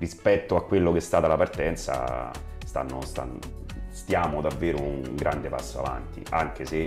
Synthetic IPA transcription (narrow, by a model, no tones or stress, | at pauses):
rispɛt̪ːoakːwelːok̟eɛst̪aːt̪alapart̪ɛnt̪sa̰ | st̪a̰nːost̪a̰n | st̪jaːmod̪avːeːɾouŋɡɾʔand̪epasːoa̰va̰nt̪ḭʔaŋk̟ese